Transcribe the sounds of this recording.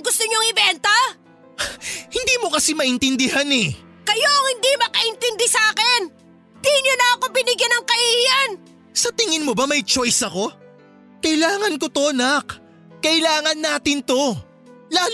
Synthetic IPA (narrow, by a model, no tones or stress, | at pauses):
ɡʊst̪oɲoŋɪbɛnt̪ɐ | hɪnd̪iːmo̞kɐsimɐʔɪnt̪ɪnd̪ɪhanɛ | kɐjoʔɐŋhɪnd̪imɐkɐʔɪnt̪ɪnd̪ɪsɐaːkɛn | t̪iɲːonɐɐko̞bɪnɪɡjanɐŋkɐʔiian | sɐt̪ɪŋɪnmo̞bɐmɐjt͡ʃo̞jsɐko̞ | kɐʔɪlaːŋɐnko̞t̪o̞nɐkː | ɐʔɪlaːŋɐnːaːt̪ɪnt̪o̞ | laː